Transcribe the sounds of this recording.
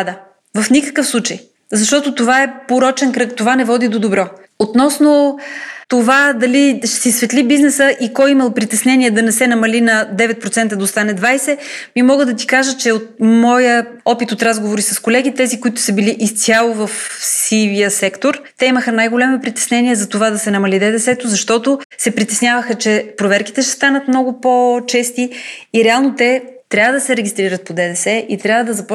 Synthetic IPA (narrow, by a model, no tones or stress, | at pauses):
d̪ə | vɐfnikə̥kəfslˠut͡ʃəj | zɐʃt̪ɔt̪ot̪ovaɛpoɾɔt͡ʃɛnkɾɤkt̪ovanɛvɔd̪id̪od̪obɾɔ | ot̪nɔsnot̪ovad̪ɐliʃsisvɛt̪libiznɛsəʔikɔjimɐlˠpɾit̪ɛsnɛnʲiɛd̪ɐnɛsɛnɐmɐlinɐd̪ɛvɛt̪̚pɾot̪ɛnt̪əd̪ɐost̪anɛd̪vajsɛmimɔɡəd̪ɐt̪ikaʒət͡ʃɛot̪̚mɔjəɔpit̪ot̪ɾazɡovoɾisɐskolɛɡ̟it̪ɛzikoit̪ʊ̥səbiliʔist̪ʲalˠovɐfsivijəsɛkt̪oɾt̪ɛiməxənajɡolʲɛmipɾit̪ɛ̥snɛniɛzɐt̪ovad̪ɐsɛnɐmɐlid̪ɛd̪ɛsɛt̪ozɐʃt̪ɔt̪osɛpɾit̪ɛsnʲjavəxət͡ʃɛpɾovɛɾki̥t̪ɛʃt̪ɛ̥st̪anət̪mnɔɡʊpot͡ʃɛst̪iːɾɛalˠnot̪ɛt̪ɾʲabvəd̪ɐsɛɾɛɡʲist̪ɾiɾət̪̚pod̪ɛd̪ɛsɛʔit̪ɾʲjavəd̪ɐzɐpɔ